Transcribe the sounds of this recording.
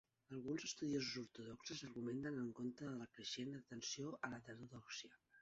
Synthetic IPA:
əlˠɣunzəst̪uðiozuzuɾt̪uðɔksəzəɾɣument̪ənəŋkont̪ɾəðələkɾəʃend̪ət̪ənsioʔələt̪əɾuðɔksijə

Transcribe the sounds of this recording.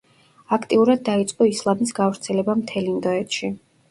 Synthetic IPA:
akʰt̪ʼiuɾad̪̚ːait̪sʼqʼɔislˠamis̬ɡavɾt̪sʰɛlɛbamt̪ʰɛlind̪ɔɛt̪ʃi

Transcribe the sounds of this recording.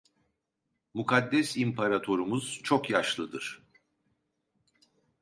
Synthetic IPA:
mukʰad̪ːɛsimpʰaɾat̪ʰo̞ɾumuz̥t͡ʃʰokjaʃlˠɯd̪ɯɾ̥

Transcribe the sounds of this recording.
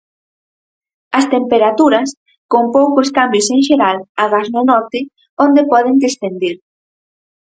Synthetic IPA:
ɐst̪empeɾat̪uɾɐs | kompowkoskambjʊseŋʃeɾalaɣaznonɔɾt̪ɪ | ond̪epɔðeŋd̪esθend̪iɾ

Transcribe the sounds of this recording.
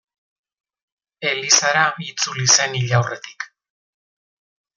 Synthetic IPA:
e̞lisaɾait͡sulise̞niʎawre̞t̪i̥k

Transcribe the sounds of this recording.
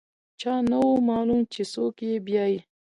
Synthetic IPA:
t͡ʃaːnɐwomaːlumt͡ʃesokjebjaːji

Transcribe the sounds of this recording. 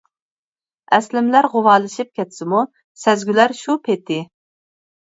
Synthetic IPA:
ɛslɪmlæɾʁʊwɑːlˠɨʃip̚kʲɛt̪sɪmu | sɛzɡʲylæɾʃupʰet̪ʰɪ

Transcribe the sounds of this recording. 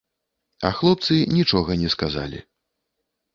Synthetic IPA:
ɐ̰xlˠɔpt̪sɨnʲit͡ʂɔɣɐnʲɛskaza̰lʲḭ

